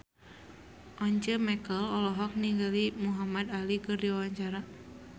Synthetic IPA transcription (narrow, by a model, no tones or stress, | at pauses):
ʔɔɲt͡ʃəmɛkəlɔlɔɦɔk̚niɡəlimuɦamad̪alikərdiwawaɲt͡ʃaɾa